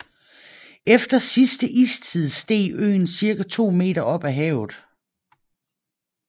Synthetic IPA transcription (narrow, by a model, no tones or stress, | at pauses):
efd̥ɐsisd̥əʔiːst͡sʰiðˠsd̥e̝̰ːø̰ːn̩siɐɡæt͡sʰo̝̰ːme̝̰ːɾɐʔɒ̽b̥æɦɛ̰ʊð̩ˠ